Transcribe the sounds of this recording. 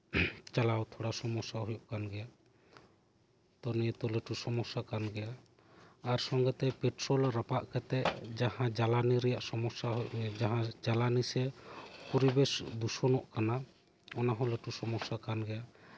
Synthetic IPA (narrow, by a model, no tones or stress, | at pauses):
t͡ʃalawt̪ʰoɽasɔmɔsaɦujɔʔkanɡɛjaʔ | t̪ɔnit̪ɔləʈusɔmɔsakanɡɛjaː | ɾsɔŋɡɛt̪ɛpɛʈɾɔlɾapaʔkɛt̪ɛʔd͡ʒahãd͡ʒalaniɾɛjaʔsɔmɔsad͡ʒaɦãd͡ʒalanisɛpɔɾibɛsd̪usɔnɔʔkana | ɔnaɦɔ̃ləʈusɔmɔsakanɡɛja